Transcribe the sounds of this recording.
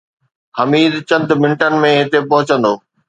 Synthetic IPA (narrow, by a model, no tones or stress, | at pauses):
hɐmiːd̪t͡ɕɐ̃nd̪ʱmɪ̃ɳʈənɪ̆mẽɦɪt̪epɐɦʊt͡ɕə̃nd̪oː